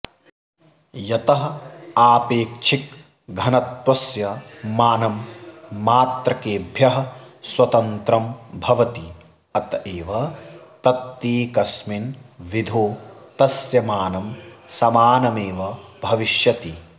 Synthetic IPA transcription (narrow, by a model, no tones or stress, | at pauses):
jɐt̪ɐɦɐaːpeːkt͡ʃʰik̚ | ɡʱɐnɐt̪ʋɐsjɐmaːnɐmː | aːt̪ɾɐkeːbʱjɐɦɐ̆swɐt̪ɐnt̪ɾɐmbʱɐʋɐt̪i | ɐt̪ɐeːʋɐpɾɐt̪jeːkɐsminʋid̪ʱoːt̪ɐsjɐmaːnɐmsɐmaːnɐmeːʋɐbʱɐʋiʃjɐt̪i